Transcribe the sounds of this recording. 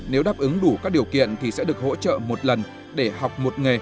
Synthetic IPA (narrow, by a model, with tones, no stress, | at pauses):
ne˨˦wɗaː˨˩p̚ʔɨ˨˦ŋɗu˧˩kaː˦˥k̚ɗi˨˩əwkḭ˧˨ənt̪ʰi˨˩sɛ̰˧˥ɗɨ˨˩ək̚ho̰˧˥t͡ɕə̰ː˧˨mo˨˩t̚lə˨˩n | ɗe˧˩ha˨˩wk͡p̚mo˨˩t̚ŋa˨˩